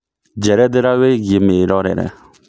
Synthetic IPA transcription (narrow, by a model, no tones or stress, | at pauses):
d͡ʒɛɾɛd̪eɾaweɡemeɾɔɾɛ̰ɾɛ̰